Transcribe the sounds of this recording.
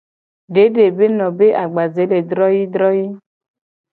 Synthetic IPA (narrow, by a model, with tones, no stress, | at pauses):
ɖe˨˦ɖe˨be˦nɔ̃˨be˦ʔa˨ɡ͡ba˨ze˨˦le˨d̪ɾɔ˦ji˦d̪ɾɔ˦ji˦